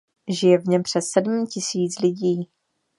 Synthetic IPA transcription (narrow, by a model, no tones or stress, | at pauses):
ʒɪjɛvɲɛmpr̥ɛsːɛdm̩cɪsiːt͡slɪɟiː